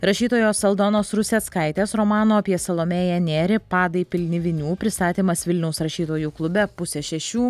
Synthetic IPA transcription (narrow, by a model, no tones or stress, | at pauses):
ɾɐʃʲiːt̪oːjoːsɐlˠd̪oːnoːsɾʊsʲeskɐɪt̪ʲeːsɾomɑːnoːɐpʲiɛsɐlˠoːmʲeːjɛnʲeːɾʲɪpɑːd̪ɐɪpʲɪlʲnʲɪʋʲɪnʲuːpʲɾʲɪst̪ɑːt̪ʲiːmɐsʋʲɪlʲnʲɛʊsɾɐʃʲiːt̪oːjuːklˠʊbʲɛpʊsʲɛʃʲɛʃʲuː